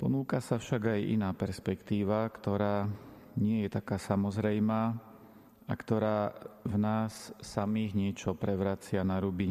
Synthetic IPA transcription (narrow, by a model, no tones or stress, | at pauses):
pɔ̰nuːkasafʃaɡajʔḭnaːpɛɾspɛkt̪iːʋakt̪ɔɾaː | ɲɪɛjɛt̪akaːsamɔzɾɛjmaː | a̰kt̪ɔɾaːvnaːsːamiːɣɲɪɛt͡ʃɔpɾɛʋɾat͡sɪanaɾubiɲ